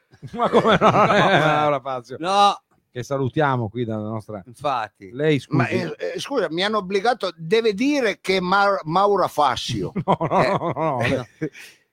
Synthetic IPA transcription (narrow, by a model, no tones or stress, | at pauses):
makːomenɔɛmawɾafasjonɔ | kesːalut̪jaːmokwid̪aanɔst̪ɾaiɱfat̪ːilɛjskmaskuːzamianːoobliɡaːt̪od̪ɛːvɪd̪iːɾekemamawɾafa̰sːjo̰nɔnɔɔ